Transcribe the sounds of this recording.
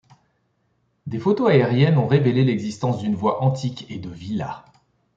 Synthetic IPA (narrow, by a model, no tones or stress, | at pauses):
d̪efot̪oaeʁjɛnɔ̃ʁevelelɛɡzist̪ɑ̃sd̪ynvwaʔɑ̃t̪ʰiked̪əvila̰